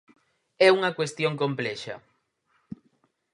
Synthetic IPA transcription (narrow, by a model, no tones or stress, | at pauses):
ɛuŋɐkwest̪joŋkomplɛʃɐ̰